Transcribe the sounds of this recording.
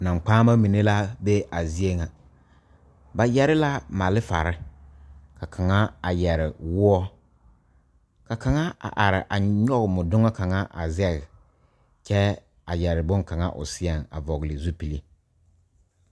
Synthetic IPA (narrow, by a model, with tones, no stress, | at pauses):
na˨ŋ͡mk͡paː˦ma˦mi˨ne˦la˦be˦ʔa˨zi˦e˦ŋa˨ | ba˨jɛ˦ɾɪ˦la˦ma˨lɪ˦fa̰˨ɾɪ˦ | ka˨kʰa˨ŋa˦a˨jɛ˨ɾɪ˨wʊ˦ɔ˦ | ka˨ka˨ŋa˦a̰˨ʔa˨ɾɪ̰˨ʔa˨ɲɔ˦ɣmʊ˨dʊ˦ŋa˦ka˨ŋa˦ʔa̰˨zɛ˦˨ɣɪ˨ | t͡ʃɛ˦ | a˨jɛ˨ɾɪ˨bʊ˦ŋka˨ŋa̰˦ʔʊ̰˨sɪ˦ɛ˨ŋa̰˨vɔ˨ɣlɪ˨zu˦pi˨li˦